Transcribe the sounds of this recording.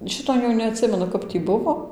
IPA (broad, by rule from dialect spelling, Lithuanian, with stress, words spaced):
ˈʃʲɪtoː jɛʊ nʲɛɐtʲˈsʲɪmʲɛnʊ ˈkɐp tʲiː ˈbʊʋoː